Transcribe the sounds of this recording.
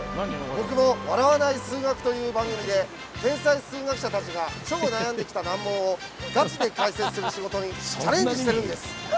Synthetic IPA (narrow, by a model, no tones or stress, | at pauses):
bo̞kɯ̟mo̞βaɾaβanaisɨːɡakɯ̟̥t̪o̞jɯ̟ːbãŋɡɯmʲid̪e̞ | t̪ẽ̞ɰ̃saisɨːɡakɯ̟̥ɕat̪at͡ɕiɡaɕo̞ɡonajãnd̪e̞kʲi̥t̪anãmːo̞ːo | ɡat͡ɕid̪e̞kaise̞sɨɾɯ̟ɕiɡo̞t̪o̞ɲ̟it͡ɕt͡ɕaɾẽ̞ɲd͡ʑiɕit̪e̞ɾɯ̟̃nd̪e̞sɨ̥